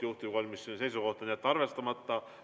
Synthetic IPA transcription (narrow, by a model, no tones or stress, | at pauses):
juht̪ukolʲmisːinse̞jsuko̞ht̪ɑnʲiet̪ːɑrve̞st̪ɑmɑt̪ːɑ